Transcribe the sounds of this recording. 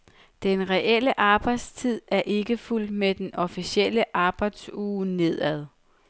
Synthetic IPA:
d̥enʁɛʔel̰əʔɑ̈ːb̥ɑ̈ɪd̥st͡sʰið̞̰ˠæɐʔe̝ɡ̥əful̰d̥med̥enʔɒ̽fisiel̰əʔɑ̈ːb̥ɑ̈ɪ̰d̥suːne̝ð̰ˠæð̞ˠ

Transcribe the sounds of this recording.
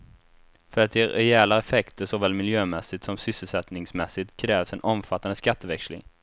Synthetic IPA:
fœɾat̪jeɾɛɛːlaɛfɛkt̪əʂɔvɛːlmɪljøːmɛsːɪt̪sɔmsʏsːəlsɛt̪nɪŋsmɛsːɪt̪kʰɾɛːvsɛnʔɔmfat̪ːand̪əskat̪ːəvɛkslɪ̰ŋ

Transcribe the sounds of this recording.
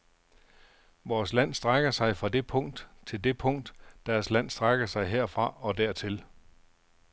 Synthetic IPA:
ʋɒːslæn̰sd̥ʁaɡ̥ɐsɑ̈ɪfʁɑ̈d̥e̝pʰɔ̽ŋ̰d̥t͡sʰe̝ld̥e̝pʰɔ̽ŋ̰d̥d̥æɐslæn̰sd̥ʁaɡ̥ɐsɑ̈ɪɦeɐ̰fʁɑ̈ɒ̽d̥æɐ̰t͡sʰe̝l

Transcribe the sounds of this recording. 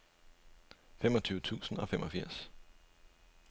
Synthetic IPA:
fem̰ɒ̽t͡sʰyːʊət͡sʰṵːsn̩ɒ̽femʔɒ̽fiɐ̰s

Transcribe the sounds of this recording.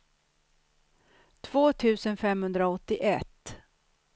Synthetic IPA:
t̪ʰv̥oːt̪ʰʉ̟ːsənfɛmhɵnd̪ɾaɔt̪ːɪʔɛt̪ː

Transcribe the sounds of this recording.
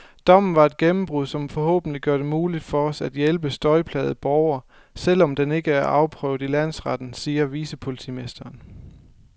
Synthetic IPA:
d̥ɒ̽m̰n̩ʋɑ̈e̝d̥̚ɡ̥emm̩b̥ʁuð̰ˠsɒ̽mfɒ̽hɔ̰ːb̥n̩liɡ̥joɐdɾe̝muːlid̥fɒ̽ɒ̽sæd̥jelb̥əsd̥ɒ̽ɪpʰlɛ̰ːð̩ˠb̥ɒʊɐ | sel̰ɒ̽md̥ene̝ɡ̥əæɐʔɑ̈ʊpʰʁœ̰ʊðˠilæn̰sʁɑd̥n̩siːɐʋiːsəpʰo̝lit͡sʰḭme̝sd̥ɐːn

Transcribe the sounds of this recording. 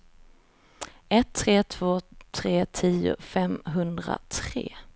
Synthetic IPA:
ɛt̪ʰːɾeːt̪ʰvoːt̪ʰɾeːt̪ʰiːʊ̰fɛmɦɵnd̪ɾa̰t̪ʰɾḛː

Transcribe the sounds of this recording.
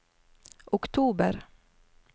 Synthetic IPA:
ʔʊkt̪ʰuːbə̰ɾ

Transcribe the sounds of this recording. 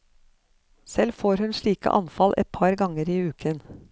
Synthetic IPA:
sɛlfoːɾhʉnʃɭiːkə̰ʔɑ̰nfɑlʔɛ̰t̪̚pʰɑɾɡɑŋəɾiːʉːkʰən

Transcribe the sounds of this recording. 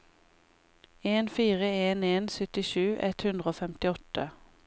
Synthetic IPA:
eːnfiːʁəeːneːnsœt̪ɪʃʉːʔɛt̪hʉnd̪ʁəoːfɛmt̪ɪɔt̪ə

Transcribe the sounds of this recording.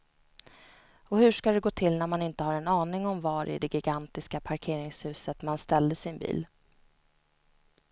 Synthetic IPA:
ɔhɵʂkad̪ɛɡoːt̪ʰɪlnæɾmanɪnt̪əhaɾɛnɑːnɪŋɔmvɑɾɪ̰d̪ɛɡɪɡant̪ɪskapʰaɾkʰeːɾɪŋshʉ̟ːsət̪manst̪ɛld̪əsɪnbḭːl

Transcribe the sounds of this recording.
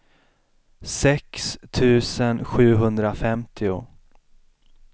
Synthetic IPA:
sɛkst̪ʰʉ̟ːsənɧʉ̟ːɦɵnd̪ɾafɛmt̪ʰɪʊ̰

